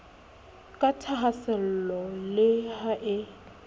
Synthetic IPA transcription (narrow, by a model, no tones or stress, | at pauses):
kʼatʰaɦasɛl̩lɔlɪhaʔɪ